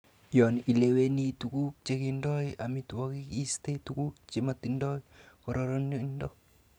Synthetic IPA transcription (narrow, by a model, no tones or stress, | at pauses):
jɔnilewenit̪ukuk̚t͡ʃekindɔjamit̪uwakikist̪et̪ukuk̚t͡ʃemat̪indɔj | kɔɾɔɾɔnjoindɔ